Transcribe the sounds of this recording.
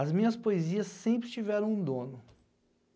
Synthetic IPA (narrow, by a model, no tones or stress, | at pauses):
ɐzmĩɲɐspoeziɐsːẽmpɾɪt͡ʃivɛɾɐ̃w̃ũd̪õnʊ